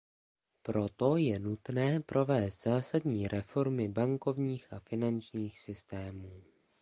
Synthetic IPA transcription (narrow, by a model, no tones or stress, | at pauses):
pɾo̞t̪o̞jɛnut̪nɛːpɾʔo̞vɛːst̪z̥aːsadɲiːɾʔɛfo̞ɾmɪbaŋko̞vɲiːxʔafɪnant͡ʃɲiːxsɪst̪ɛːmuː